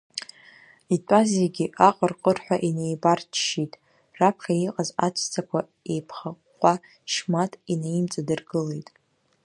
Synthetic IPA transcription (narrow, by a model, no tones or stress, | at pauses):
itʷʼazeɡʲiʔaqʼərqʼərħʷᶣaʔinejbart͡ʃʰʃitʼ | rapʰχʲaiqʼazat͡ʃʷʰt͡sʰakʷʰa | e̞jpʰχaqːʷʼa | ʃmatʼineimt͡sʼadɨrɡɨle̞jtʼ